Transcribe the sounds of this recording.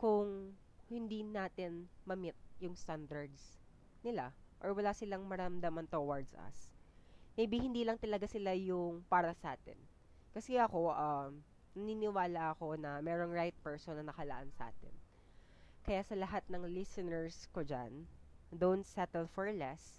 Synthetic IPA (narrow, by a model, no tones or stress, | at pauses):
kʊŋ | hɪnd̪inaːt̪ɪnmɐmɪt̪̚jʊŋst̪and̪ɐɹd̪s | nɪlaʔoɹwɐlaːsɪlaŋmɐɾɐmd̪amɐnt̪owaɹd̪sʔɐ̰s | nɐbihɪnd̪iːlɐŋt̪ɐlɐɡasɪlajʊŋpaːɾɐsɐʔaːt̪ɪ̰n | kɐsɛʔɐko̞ʔam | nɐniːnɪwaːlɐʔɐko̞nɐmɛːɾoŋɹajt̪̚pɛɹsonːɐnɐkɐlɐʔansɐʔa̰ːt̪ɪ̰n | kɐjasɐlɐɦat̪̚nɐŋlɪsɛnɛɹskod͡ʒa̰nd̪ont̪sɛt̪ɛlfɔɹlɛs